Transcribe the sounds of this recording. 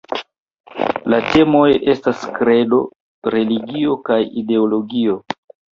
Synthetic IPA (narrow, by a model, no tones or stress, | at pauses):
late̞mojʔe̞staskɾe̞do̞ | ɾe̞liɡio̞kajide̞olo̞ɡio̞